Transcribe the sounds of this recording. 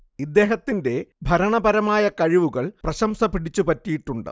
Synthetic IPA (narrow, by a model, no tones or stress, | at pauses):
id̪ːe̞ːɦɐt̪ːinde̞bʱɐɾɐɳɐbɐɾɐmaːjɐkɐɻiʋuɣɐɭprɐɕɐmsɐpiɽit͡ɕːupɐtːijiʈːuɳɖɨ̰